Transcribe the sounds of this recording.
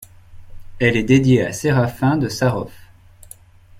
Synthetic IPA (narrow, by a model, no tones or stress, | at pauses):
ɛlɛd̪ed̪jea̰seʁafɛ̃d̪əsaʁɔf